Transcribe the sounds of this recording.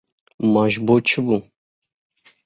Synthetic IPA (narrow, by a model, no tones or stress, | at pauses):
mɑːʒbot͡ʃʰɨbu